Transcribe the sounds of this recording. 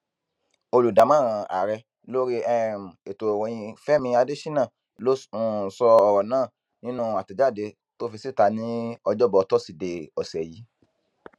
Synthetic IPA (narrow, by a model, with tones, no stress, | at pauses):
o˧lu˨da˨˦mã˦˨ɾ̃ã˨a̰˨ɾɛ˧ | lo˦ɾi˦ɛ˦˨m˨e˨to˨wɔ̃˨j̃ĩ˧fɛ˦mĩ˧a˧de˦ʃi˦nã˦˨ | lo˦˨sɔ˧ɔ˧ɾɔ˨nãː˦˨ | nĩ˦nũ˦a˨ti˨d͡ʒa˦˨de˧ | to˦fi˧si˦˨ta˧nĩ˦ɔ˧d͡ʒɔ˦˨bɔ˧tɔ˦˨si˨de˨ɔ˨sɛ˨ji˨˦